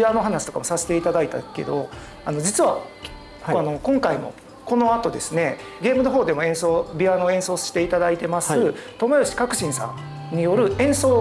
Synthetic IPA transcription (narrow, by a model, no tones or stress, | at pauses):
ano̞ɦanaɕi̥t̪o̞kamo̞sase̥t̪e̞it̪ad̪ait̪a̰ke̞̰d̪o̞̰ | ano̞d͡ʑit͡sɨβa | ano̞kõ̞ŋkaimo̞̰ | ko̞no̞at̪o̞d̪e̞sɨne̞ɡe̞ːmɯno̞ɦo̞ːd̪e̞mo̞ẽ̞ɰ̃so̞ːbʲianoẽ̞ɰ̃so̞ːɕɕi̥t̪e̞it̪ad̪ait̪e̞masɨt̪o̞mojoɕi̥kakɯ̟ɕĩɰ̃sã̰n | ɲ̟ijo̞ɾɯ̟ẽ̞ɰ̃so̞ː